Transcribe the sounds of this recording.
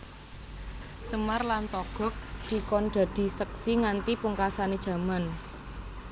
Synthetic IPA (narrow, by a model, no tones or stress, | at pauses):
səmarlant̪ɔɡ̥ɔ̤k̚d̪̥i̤kɔnɖ̪̥a̤d̪̥i̤sək̚siŋant̪ipuŋkasaned̥ʒ̥ä̤man